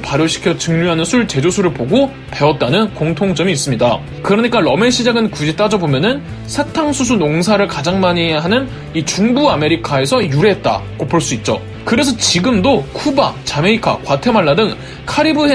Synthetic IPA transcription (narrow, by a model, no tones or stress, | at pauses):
paɾjoɕʰi̥kʰjʌt͡ɕɯŋɲuɦanɯnsʰuɭt͡ɕe̞d͡ʑosʰuɾɯɭpoɡo | pe̞wʌt̚t͈anɯnkoŋtʰoŋt͡ɕʌmiːs͈ɯmɲida | kɯɾʌɲik͈aɾʌme̞ɕʰid͡ʑaɡɯnkud͡ʑit͈ad͡ʑʌbomjʌnɯn | sʰatʰaŋsʰus̬ʰunoŋsʰaɾɯɭkad͡ʑaŋmaɲiɦeɦanɯn | it͡ɕuŋbuame̞ɾikʰae̞sʰʌjuɾe̞ɦet̚t͈a̰ɡopoɭs͈uit̚t͡ɕ͈o̰ | kɯɾe̞s̬ʰʌt͡ɕiɡɯmdokʰuba̰t͡ɕameikʰa̰kwatʰe̞maɭːadɯŋ | kʰaɾibɯɦe